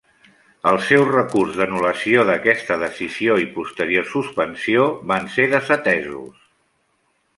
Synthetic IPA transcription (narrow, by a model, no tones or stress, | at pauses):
əlˠsɛwrəkurzðənuləsioðəkɛst̪əðəsizioipust̪əɾiosuspənsioβanseðəzət̪ɛzṵs